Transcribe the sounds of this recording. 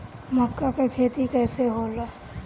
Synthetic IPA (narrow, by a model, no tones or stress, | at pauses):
məkːakekʰeːt̪ikɛːseɦoːla